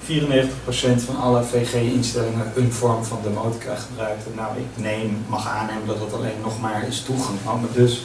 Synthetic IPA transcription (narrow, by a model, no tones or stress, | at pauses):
fiːrənejχəntəχprowsɛntfɑnɑləvejχejɪnstɛlɪŋənənv̥ɔɹmvɑndəmowti̥kʰaːχəbrœɥk̚tənawɪ̰knejmːɑχaːnejməndɑtdətɑ̰lḛjnːɔχmaːɹɪstuχɑŋa̰madɵs